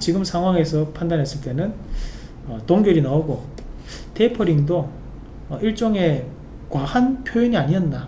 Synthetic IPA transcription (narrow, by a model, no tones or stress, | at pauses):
t͡ɕiɡɯmsʰaŋɦwaŋe̞sʰʌpʰandanɦe̞s͈ɯɭt͈e̞nɯn | ʌtoŋɡjʌɾinaoɡo | te̞pʰʌɾiŋdo | ʌiɭt͡ɕ͈ʌŋe̞ | kwahanpʰjoiɲiaɲiʌnda